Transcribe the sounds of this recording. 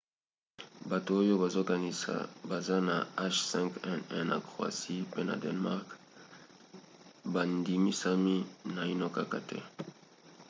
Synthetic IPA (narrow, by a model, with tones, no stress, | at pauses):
ba˨to˨o˦jo˦ba˨zo˦ɡa˨ni˦a̰ba˨za˦na˨a˦ʃsɛ̃˦ŋkɛ˦nɛ˦na̰˨kʁo˨a̰˨si˦pe˦na̰˨dɛ˨nma˦ʁk | ba˨ndi˨mi˦sa˦mi˦na˨i˦nɔ˦ka˦ka̰˨tɛ̰˦